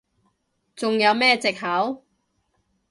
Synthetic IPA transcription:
t͡sʊ˨ŋjɐ˨˧wmɛː˥t͡sɪ˨k̚ɦɐ˨˥w

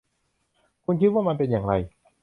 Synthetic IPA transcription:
kʰu˧nkʰi˦˥t̪̚waː˥˩ma˧npe˧njaː˨˩ŋɾa̰˧j

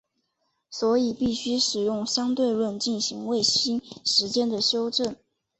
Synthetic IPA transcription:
swɔ˧˥i˨˩pi˥˩ɕy˥ʂɻ̩˨˩jʊ˥˩ŋɕjɑ˥ŋt̪we˥˧ɪɻwə˥˧nt͡ɕi˥˩nɕi˧˥ŋwe˥˩ɪɕi˥nʂɻ̩˧˥t͡ɕjɛ˥nd̪ə˨ɕjo˥ʊʈ͡ʂə˥˩n

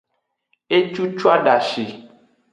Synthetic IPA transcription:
e˦t͡ʃu˦t͡ʃu˦a˦ɖa˨ʃi˨

